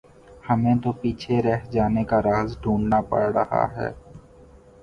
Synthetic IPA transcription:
hɐmẽt̪opiːt͡ʃʰeɾɛɦd͡ʒaːnekaɾaːzɖʱũːɳɖnapə̰ɽɾəha̰ɦɛ̰ː

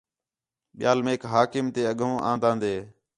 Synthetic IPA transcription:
ɓɪjaːlmẽːkɦaːkɪmt̪eːəɠõːʔã̰ːnd̪ãːnd̪eː

